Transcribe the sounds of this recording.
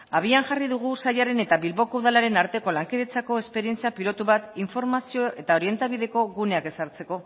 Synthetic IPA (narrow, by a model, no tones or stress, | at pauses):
aβ̞ianʝariðuɣ̞usajaɾe̞ne̞t̪aβilβo̞kouðalaɾe̞naɾt̪e̞ko̞laŋkiðet͡sako̞e̞spe̞ɾie̞nt͡siapilo̞t̪uβat̪iɱfo̞ɾmasio̞ʔe̞t̪ao̞ɾie̞nt̪aβiðe̞ko̞ɣune̞ake̞saɾt͡se̞ko̞